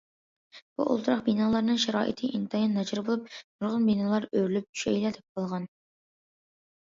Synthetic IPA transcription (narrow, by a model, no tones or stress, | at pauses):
b̥ṵʔo̰lˠt̪ʰɾɑqbinɑlˠɑɾnɨŋʃɛɾɑ̰ːʔḭt̪ʰɨʔint̪ʰɑjɑnːɑd͡ʒɑɾbolˠup̚nuɾʁənbinɑlˠɑɾøɾlyp̚t͡ʃʰy̥ʃɛjlɛd̪ɛp̚qʰɑlˠʁɑn